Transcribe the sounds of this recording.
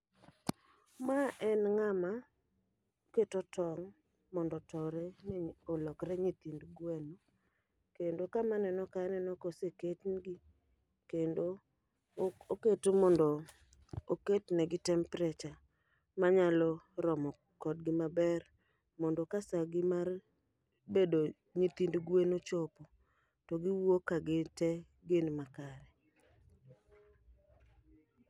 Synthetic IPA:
maʔɛnŋama | oketotɔŋ | mɔndɔtɔɾɛolɔkɾɛɲit̪indɡwɛno | kendokamanɛnɔkanɛnɔkoseketnɡi | kendo | oketomɔndɔ | oketnɛɡɪtɛmpɾɛt͡ʃa | maɲalɔɾɔmɔ | kɔdɡɪmabɛr | mɔndɔkasaɡɪmar | bedo | ɲit̪indɡwenot͡ʃɔpɔ | tɔɡiwokaɡetɛ | ɡenmakaɾɛ

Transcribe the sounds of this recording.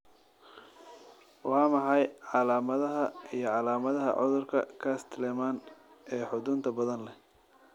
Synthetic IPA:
wɑːmɐħɑjʕɑlaːmɐðɐɦɐijɞʕɑlaːmɐðɐɦɐ̰ʕʊ̰ðʊrkʰɐ̰kʰast̪ʰlɛmaːn | ɛːħʊd̪ʊnt̪ʰɐbɐðɐnlɛ

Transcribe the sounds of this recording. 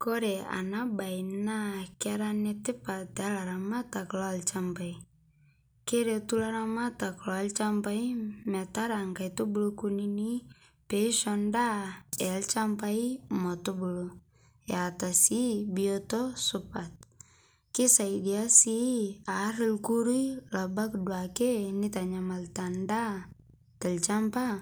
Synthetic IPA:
kɔɾɛa̰nabajnakɪaɾanɛtɪpatɛalaɾamataklɔalt͡ʃambai | keɾetulaɾamataklɔalt͡ʃambaimɛtaɾaŋkajtubulukunini | pɛʃɔndaɛalt͡ʃampajmɔtubulo | jatasibiotɔsupat̪̚ | kisaidiasiaɾɪlkuɾujlabakdwakenitaɲamaltanda | talt͡ʃampa

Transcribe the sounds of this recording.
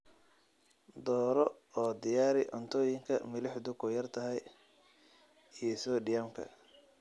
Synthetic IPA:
d̪ɔːɾɔ | ɔːd̪ɪjaːɾɪʔɔ̰nt̪ʰɔːjɪŋkʰɐ̰mɪlɪħd̪ʊkʰɔjɐrt̪ʰɐɦɛj | ijɞsɔɖɪjaːmkʰɐ̰

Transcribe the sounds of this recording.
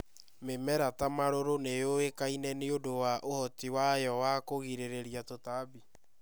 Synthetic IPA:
memɛɾatamaɾoɾonejoekainɛneodowaʔohɔtiwajɔwakoɣiɾeɾeɾjatotabi

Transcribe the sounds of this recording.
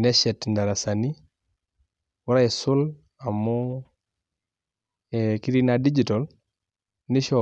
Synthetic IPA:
neʃɛtndaɾasani | waɾaesul | amu | ekiɾinadid͡ʒitol | niʃo

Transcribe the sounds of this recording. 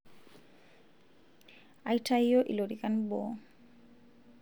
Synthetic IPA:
ʔajtʰajjɔʔḭloɾikanbɔ̰ː

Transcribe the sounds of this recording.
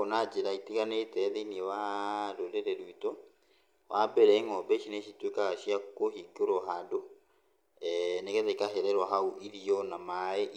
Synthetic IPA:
ɔnad͡ʒeɾaitiɣanetɛðeiniewadodeɾeɾuitɔ | wʔabɛɾɛiŋɔbɛʃineʃitwekaʃiakohikoɾɔɦado | ɛnekɛtekaɦɛɾɛɾwaɦauʔiɾiɔnamaeʔ

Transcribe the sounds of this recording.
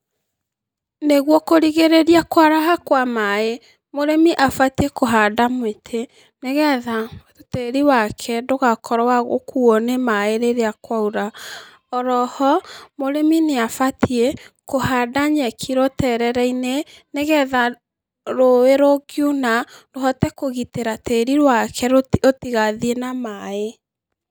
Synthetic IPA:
neɣwɔkoɾiɣeɾeɾiakwaɾaɦakwamae | moɾemiʔafatiekoɦadamwetʰe | neɣɛða | teɾiwakʰɛdoɣakʰɔɾɔwaɣo̰kʰuɔnemaeɾeɾeakwauɾa | ɔɾɔhɔmoɾemineafatiekohadaɲɛkʰiɾotɛɾɛɾɛineneɣɛða | ɾoeɾoɡjunadoɦɔtɛkoɣiteɾateɾiɾwakʰɛotiɣaðienamae

